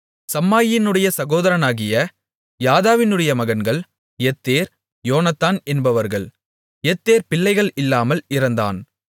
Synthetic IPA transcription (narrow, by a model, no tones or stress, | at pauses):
sɐmːaːjɪnɯɽɐjɐsɐɣoːðɐɾɐnaːɣɪjɐ | jaːðaːʋɪnɯɽɐjɐmɐɣɐnɡɐɭ | jɛt̪ːeːɾ | joːnɐt̪ːaːnɛnbɐʋɐɾɣɐɭ | ɛt̪ːeːɾpɪlːɐɪɣɐɭɪlːaːmɐlɪɾɐnd̪a̰ːn